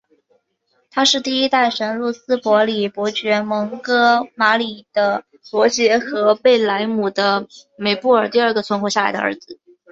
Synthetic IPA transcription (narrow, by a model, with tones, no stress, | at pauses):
t̪ʰa˥ʂɻ̩˥˧t̪i˥˩i˥t̪a˥˩ɪʂə˧˥nɻu˥˩sɹ̩˥pwɔ˧˥li˨˩pwɔ˧˥t͡ɕɥɛ˧˥mɤ˧˥ŋkɤ˥ma˧˥li˨˩d̪̥ə˦ | pwɔ˧˥t͡ɕjɛ˧˥xɤ˧˥pe˥˩ɪla˧˥ɪmu˨˩d̪ə˦me˨˩ɪpu˥˩ə˞˨˩t̪i˥˧ə˞˥˩ɡə˩t͡sʰwə˧˥nxwɔ˧˥ɕja˥˩la̰˧˥ɪd̪ə̰˧ə̰˧˥d͡zɹ̩˧